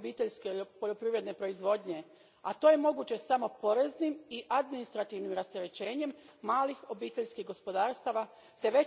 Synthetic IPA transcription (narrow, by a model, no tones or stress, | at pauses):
biːt̪eʎskepo̞ʎo̞pɾiːʋɾed̪ne̞pɾo̞izʋo̞ːd̪ɲe̞ | at̪o̞ːje̞mo̞ɡuːt͡ɕe̞samo̞po̞ɾeznimiʔad̪minist̪ɾat̪iːʋnimɾast̪eɾe̞t͡ɕe̞ːɲe̞mːaːlixo̞biːt̪e̞ʎskiɡo̞spo̞d̪aːɾst̪aːʋa | t̪e̞ʋe̞